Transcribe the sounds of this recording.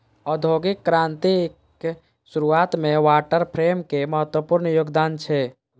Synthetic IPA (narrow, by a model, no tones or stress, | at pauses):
ɔd̪ʱoːɡɪkːɾãːnt̪ik | suɾuaːt̪mẽʋaːʈəɾpʰɾeːmkeməɦət̪wəpʊɾnjoːɡd̪aːnt͡ʃʰɛ